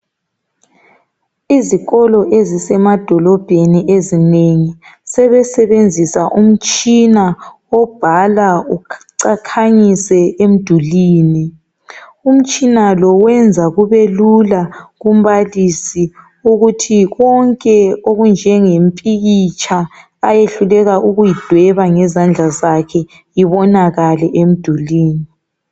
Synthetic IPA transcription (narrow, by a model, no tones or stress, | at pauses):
iziɣɔlɔʔezisɛmad̥ʱɔlɔb̥ʱeniezineŋisɛβɛsɛβend͡zʱisaʔum̩t͡ʃʼina | ɔb̥ʱalauǀakʰaɲisɛʔem̩d̥ʱuliːni | um̩t͡ʃʼinalɔwɛnd͡zʱaɣuβelulaɣum̩βalisi | uɣutʰiɣɔŋkʼɛoɣund͡ʒʱɛŋempʼiɣit͡ʃʰʼaː | jeɬulɛɣaʔuɣujid̥ʱwɛβaŋɛzand͡ɮʱazakʰɛ | iβɔnaɣalɛʔem̩d̥ʱuliːni